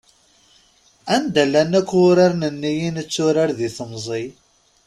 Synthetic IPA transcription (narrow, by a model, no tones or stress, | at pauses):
ænd̪ælːænækʷːʊɾaɾnənːijinət͡sːʊɾaɾðiθəmzˤi